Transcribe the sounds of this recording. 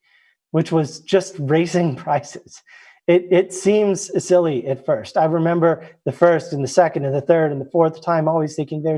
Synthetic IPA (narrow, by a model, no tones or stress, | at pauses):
wɨt͡ʃwʌzd͡ʒʌst̚ɹeɪsɪ̃ŋpʰɹ̥aɪsɪ̥z̥ | ɪɾɪtsĩmz̥sɪlˠiɨtfɜ˞staɪɹɨmɛ̃mbə˞ðɨfɜ˞stɨ̃n̩ðɨsɛkɨ̃ndɨ̃nðɨθɜ˞ɾɨ̃nðəfɔɹθtʰãɪ̃mɔlˠwiz̥tʰeɪkɪ̃ŋvɛ